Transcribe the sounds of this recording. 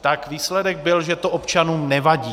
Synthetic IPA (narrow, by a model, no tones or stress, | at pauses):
t̪akviːslɛdɛɡ̚bɪlʒɛt̪oʔopt͡ʃanuːmnɛvaɟiː